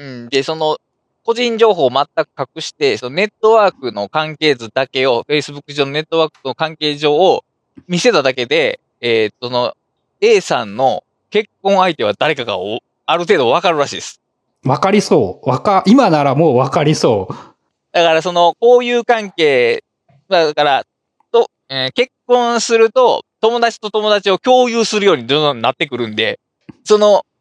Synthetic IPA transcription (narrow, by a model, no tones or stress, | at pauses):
ɯ̟̃d̪e̞so̞no̞ | ko̞ʑĩɲ̟d͡ʑo̞ːɦo̞ːmat̪ːakɯ̟̥kakɯ̟ɕi̥t̪e̞so̞none̞t̪ːo̞βaːkɯ̟no̞kãŋke̞ːzɨd̪ake̞o̞ɸe̞isɨbɯkːɯʑo̞ːno̞ne̞t̪ːo̞βaːkɯ̥nokãŋke̞ːʑo̞ː | mʲise̞t̪ad̪ake̞d̪e̞ | et̪sono̞ | e̞ːsãnːo̞ | ke̞kːõ̞ɰ̃ait̪e̞βad̪aɾe̞kaka̰o | aɾɯ̟t̪̬eːd̪o̞β̞akaɾɯ̟ɾaɕḭːd̪esɨ̥ | βakaɾʲiso̞ːβakaʔimanaɾamo̞ːβakaɾʲiso̞ː | d̪̥akaɾaso̞no̞ko̞ːjɯːkãŋke̞ː | maakaɾa | t̪o | ɯ̃ke̞kːõ̞ɰ̃sɨɾɯ̟t̪o̞t̪o̞mo̞d̪at͡ɕi̥t̪o̞t̪o̞mo̞d̪at͡ɕio̞kʲo̞ːjɯːsɨɾɯ̟jo̞ːɲ̟id̪oːzõnnːat̪ːe̞kɯ̟ɾɯ̟̃nd̪e̞̰ | so̞no̞